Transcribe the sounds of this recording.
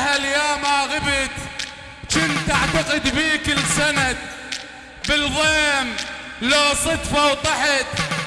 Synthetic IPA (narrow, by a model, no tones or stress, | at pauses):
haljaːmaːɣɪbɪt̪ | t͡ʃɪnt̪ʔaʕt̪aqɪd̪biːkɪlsanad̪̚ | bɪlðˤeːm | loːsˤɑt̪fawt̪ˤɑħɪt̪